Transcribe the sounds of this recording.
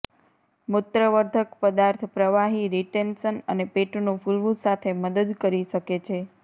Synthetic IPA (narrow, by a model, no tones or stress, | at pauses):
mʊt̪ːɾəʋəɾd̪ʱəkpəd̪aɾt̪ʰpɾəʋaɦiɾiʈenʃənənepeʈnufulʋũsat̪ʰeməd̪əd̪kəɾiʃəket͡ʃʰe